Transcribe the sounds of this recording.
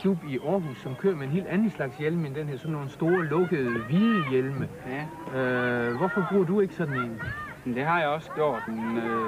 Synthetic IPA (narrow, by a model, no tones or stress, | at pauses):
kʰlub̥iʔɒːɦusːɒ̽mkʰø̰ːɐmeenɦe̝̰ːld̥ænn̩ˠslɑ̈ɡ̥sjelməend̥enheɐ̰sɒ̽nːoːn̩sd̥o̝ːɐlɔ̽ɡ̥əð̩ˠʋiːnjelmə | øʋɒfɒ̽b̥ʁuɐd̥ue̝ɡ̥ə̥sɒ̽d̥n̩e̝n | d̥e̝ɦɑ̈jaɒ̽sɡ̥jo̝ɐ̰d̥